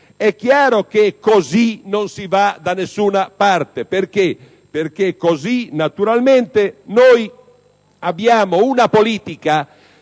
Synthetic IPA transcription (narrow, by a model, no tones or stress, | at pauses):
ɛkːjaːɾokekozinonsivad̪anesːuːnapaɾt̪epeɾke | peɾkekozinat̪uɾalment̪enoj | abjaːmounapoliːt̪ika